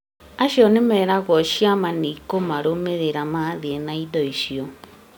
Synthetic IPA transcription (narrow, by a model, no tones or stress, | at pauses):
aʃjɔnemɛːɾaɣɔʃiamanikomaɾomeɾeɾamaðienaidɔiʃiɔ